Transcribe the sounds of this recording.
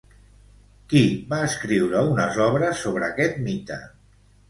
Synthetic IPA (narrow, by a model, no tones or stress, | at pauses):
kiβaəskɾiwɾəunəzɔβ̞ɾəsːoβ̞ɾəːkɛt̪̚mit̪ə̰